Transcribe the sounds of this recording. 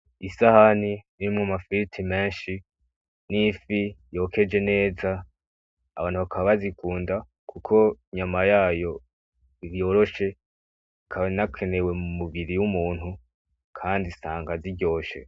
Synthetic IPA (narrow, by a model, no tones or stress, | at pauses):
isahaniniimŋamafiitʰime̞ːnʃi | nifijo̞ːkʰe̞d͡ʒe̞ne̞ːzaː | βaːn̥huβakʰaββazikuːnda | kʰukʰo̞ɲamajaːjo̞ | iɾjo̞ːɾo̞ʃe̞ | kʰaβanakʰe̞ne̞we̞mumuβiɾijumuːn̥u | kʰaːndisaːŋɡaziɟo̞ːʃe̞̰